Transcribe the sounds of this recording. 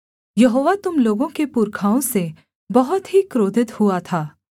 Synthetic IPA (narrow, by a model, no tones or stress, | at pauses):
jɐɦoːʋat̪ʊmloːɡõkepuːɾkʰaːõse | bɐɦʊt̪ɦikɾoːd̪ʱɪt̪huat̪ʰaː